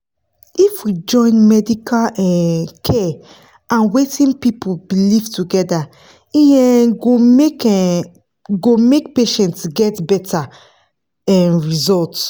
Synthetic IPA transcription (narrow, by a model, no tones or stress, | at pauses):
ifwid͡ʒɔ̃ɪ̃nmɛdikʰalɛ̃kʰɛ | ãnwetĩnpipʰubilivtuɡɛda | ĩɛɡomek | ɡomek̚peʃɛ̃ntsɡɛtbɛta | ɛ̃ɹizɔlt